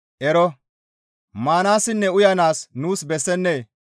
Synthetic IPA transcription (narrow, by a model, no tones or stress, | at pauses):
ʔɛɾɔ | maːnaːsɪnːɛʊjɐnaːsnuːsbɛsːɛnːeː